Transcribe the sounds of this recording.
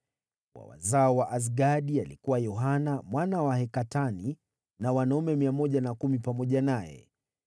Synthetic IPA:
wa̰wa̰zaɔwaʔas̬ɡaɗialikuwajɔɦanamwanawahɛkatani | nawanaumɛmiamɔʄanakumipamɔʄanajɛ̰

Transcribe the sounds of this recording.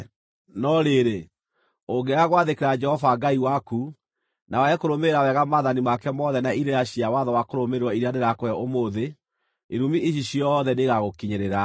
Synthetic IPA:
nɔɾeɾe | oɡeaɣwaðekeɾad͡ʒɛhɔvaɡaiwaku | nawaɛkoɾomeɾawɛɣamaðanimakɛmɔðɛnaiɾeɾaɕiawaðɔwakoɾomeɾwɔiɾeaneɾakoɛʔomoðe | eɾumieɕ̬iɕjɔðɛneɣaɣokiɲeɾeɾa

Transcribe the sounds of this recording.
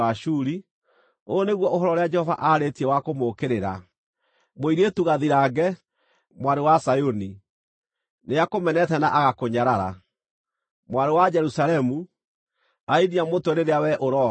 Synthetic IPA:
aʃuːɾi | oneɣwɔʔoɦɔɾɔɾead͡ʒɛhɔva̰ʔaɾetiɛwakomokeɾeɾa̰ | moiɾetuɣaðiɾaːɡɛ | mwaɾewasajoni | neakomɛnɛtɛnaʔaɣakoɲaɾaɾa̰ | mwaɾewad͡ʒɛɾusalɛmu | ainiamotoneɾeawɛʔoɾɔ

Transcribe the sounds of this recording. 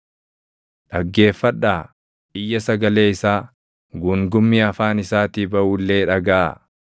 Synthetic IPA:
ᶑɐɡːe̞ːfːɐᶑːaː | ɪjːɐsɐɡɐle̞ːɪsaː | ɡuŋɡʊmːiːɐfaːnɪsaːt̪iːbɐʔuːlːe̞ːᶑɐɡa̰ː

